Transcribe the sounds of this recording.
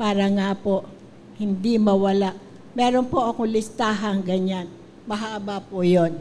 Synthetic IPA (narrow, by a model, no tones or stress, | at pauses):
paːɾɐŋapoʔ | hɪnd̪imɐwɐlaʔ | mɛːɾonpoʔɐkolɪst̪aːɦɐŋɡɐɲan | mɐɦaʔbaːpojon